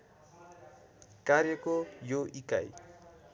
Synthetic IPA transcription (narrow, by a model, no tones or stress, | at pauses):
kaɾjekojoʔika̰j